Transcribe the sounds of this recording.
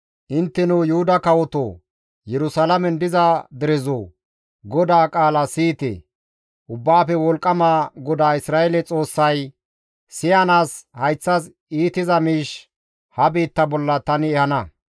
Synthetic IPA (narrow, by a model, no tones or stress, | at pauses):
ʔɪnt̪ːɛnujʊhʊd̪ɐkɐwɔt̪o̰ː | jɛɾʊsalɐmɛnd̪ɪzɐd̪ɛɾɛzoː | ɡɔd̪aːkʼaːlɐsiːt̪ɛ̰ | ʔʊbːaːpɛwɔlkʼːɐmaːɡɔd̪aːɪsɾaːelɛt͡sʼo̞ːsːɐj | sɪjɐnaːshɐjt͡sːɐs | iːt̪ɪzɐmiːʃ | hɐbiːt̪ːɐbɔlːɐt̪ɐnɛhɐnɐ